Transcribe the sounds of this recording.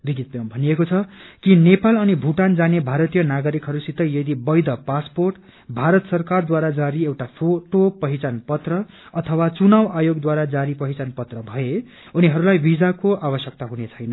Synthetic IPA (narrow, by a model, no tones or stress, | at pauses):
biɡit̪̚b̃bʱʌnijekot͡sʰʌkinepalʌnibʱuʈand͡zanebʱaɾʌt̪ijʌnaɡʌɾikɦʌɾusit̪ʌjjʌd̪ibʌjd̪ʌpasporʈ | bʱaɾʌt̪sʌrkard̪waɾad͡zaɾiewʈapʰoʈopʌɦit͡sanpʌt̪rʌ | ʌt̪ʰʌwat͡sunawajoɡd̪waɾad͡zaɾipʌɦit͡sanpʌt̪rʌbʱʌe | uniɦʌɾulajbid͡zakoʔabʌsjʌk̚t̪aɦunet͡sʰʌjnʌ